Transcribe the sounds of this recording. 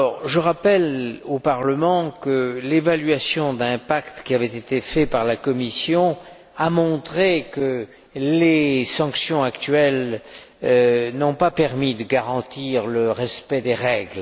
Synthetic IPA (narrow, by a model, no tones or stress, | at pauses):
ɔʁʒəʁapɛlopaʁləmɑ̃kəlevalɥasjɔ̃d̪ɛ̃pakt̪kʲiavɛt̪et̪efɛpaʁlakɔmisjɔ̃ | amɔ̃t̪χekə | lesɑ̃ksjɔ̃akt̪ɥɛl | nɔ̃papɛʁmid̪əɡaʁɑ̃t̪iʁləʁɛspɛd̪eʁɛɡl